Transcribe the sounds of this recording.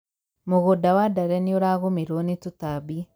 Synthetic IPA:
moɣodawadaɾɛnioɾaɣomiɾonitutabi

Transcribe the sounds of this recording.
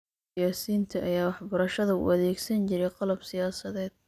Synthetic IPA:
jaːsiːnt̪ʰɐʔɐjaːwɑħbɐɾɐʃɐðɐṵːʔɐðɛːɡsɐnt͡ʃɪɾɛqɑlɐbsɪjaːsɐðɛːd̪̥̚

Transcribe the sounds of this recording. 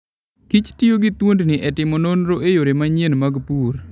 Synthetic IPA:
kit͡ʃtɪjoɡɪt̪wondnɪʔɛtɪmononɾoʔejoɾemaɲenmaɡpuɾ

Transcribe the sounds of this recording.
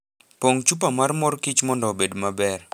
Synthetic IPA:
poŋt͡ʃup̬amarmɔrkit͡ʃmɔndɔbedmabɛr

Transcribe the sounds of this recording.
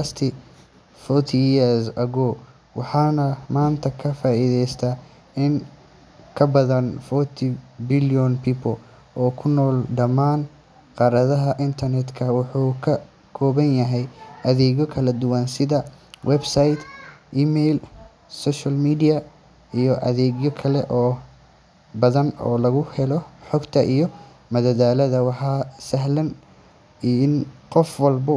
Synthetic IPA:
ast̪ʰɪ | fɔt̪ʰiɛsɐɣɔ | wɑħɑːnɐmaːnt̪ʰɐkʰɐfaːʔiðɛjst̪ʰa | ɪn | kʰɐbɐðɐnfɔt̪ʰɪbɪljɔnpʰiːpʰɔl | ɔːkʰʊnɔːlɖɐmaːn | qɑɾɐðɐɦɐʔɪnt̪ʰɐrnɛd̪kʰɐwʊħuːkʰɐ | kʰɔːβɐnjɐɦɛjʔɐðɛːɣjɔkʰɐlɐd̪ʊwɑnsɪðɐ | wʔɛbsajd̪ʔiːmɛjl | sɔːʃɐlmiːdijɐ | ijɔʔɐ̰ðɛːɣjɔkʰɐlɛʔɔː | bɐðɐnɔ̰ːlɐɣʊhɛlɔħɔɡt̪ʰɐʔijɔ | mɐðɐðaːlɐðɐwɑħɑːsɐɦlɐn | iɪnqɔfwɑlbʊ

